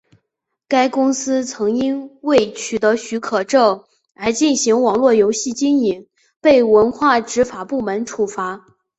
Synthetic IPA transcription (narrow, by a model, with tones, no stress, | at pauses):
ka˥ɪkʊ˥ŋsɹ̩˥t͡sʰɤ˧˥ŋi˥nwe˥˩ɪt͡ɕʰy˨˩t̪ɤ˧˥ɕy˧˥kʰɤ˨˩ʈ͡ʂɤ˥˩ʊ | a˧˥t͡ɕi˥˩nɕi˧˥ŋwɑ˨˩ŋlwɔ˥˩jo˧˥ʊɕi˥˩t͡ɕi˥ŋi˧˥˦ŋ | pe˥˩ɪwə˧˥nxwa˥˩ʈ͡ʂɻ̩˧˥fa˨˩pu˥˩mə˧˥nʈ͡ʂʰu˨˩fa˧˥